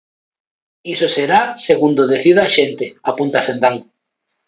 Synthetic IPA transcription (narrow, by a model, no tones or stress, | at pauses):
isoseɾaseɣund̪oðeθiðaʃent̪eapunt̪aθend̪aŋ